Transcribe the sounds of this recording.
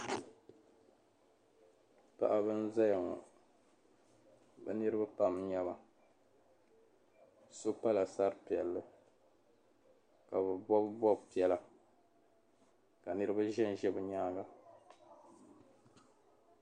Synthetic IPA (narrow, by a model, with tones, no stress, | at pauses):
pa̰˦ʔa˦bɨ˦n̩˦za˦ja˨ŋɔ̰˨ | bɛ̰˦nɨ˦ɾɨ˦ba˦pa˦mɲɛ˦ba˨ | so˦pa˦la˨sa˦ɾɨ˦pi˨ɛ˨lːɨ˦ | ka˨bɨ˨bɔ˦bbɔ˦bpi˨˦ɛ˦la˨ | ka˨nɨ˦ɾɨ˦ba˦ʒɛ˦n˨ʒɛ˦bɨ˨ɲaː˦ɡa˦